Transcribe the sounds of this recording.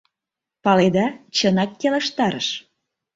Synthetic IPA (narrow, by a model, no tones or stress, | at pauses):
pɑled̪ɑt͡ɕənɑkːeleʃt̪ɑɾəʃ